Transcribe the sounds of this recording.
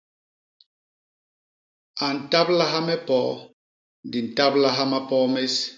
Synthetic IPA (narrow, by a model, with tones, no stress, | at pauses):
a˨n̩˨ta˦pla˦ɦa˦mɛ˦pɔ˦ | n˨di˨n̩˨ta˦bla˦ɦa˦ma˦pɔ˦me˦s